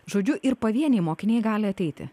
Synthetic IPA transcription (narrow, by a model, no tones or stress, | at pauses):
ʒoːd͡ʒʲʊʔɪɾpɐʋʲiɛnʲɛɪmoːkʲɪnʲeɛjɡɑːlʲɪɐt̪ʲɛɪt̪ʲɪ̰